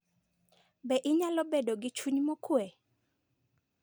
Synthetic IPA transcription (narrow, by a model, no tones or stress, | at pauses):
bɛʔɪɲalɔbedoɡɪt͡ʃuɲmokwɛ